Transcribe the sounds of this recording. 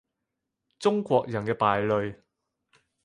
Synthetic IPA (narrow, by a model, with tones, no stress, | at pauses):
t͡sʊ˥ŋkʷɔː˧k̚jɐ˨˩nkɛː˧paː˨jlɵ˨ɥ